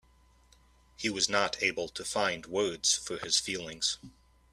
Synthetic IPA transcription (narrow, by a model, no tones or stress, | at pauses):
hiwʌznəɾʰeɪbl̩ˠtʰɨfãɪ̃nd̚wɜ˞dz̥fə˞ɨz̥filˠɪ̃ŋz̥